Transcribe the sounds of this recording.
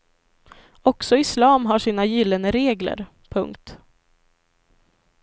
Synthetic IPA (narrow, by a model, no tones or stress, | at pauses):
ɔksɔɪslɑːmɦaʂiːnajɪlːənəɾeːɡlə̰ɾ | pʰɵ̰ŋk̚t̪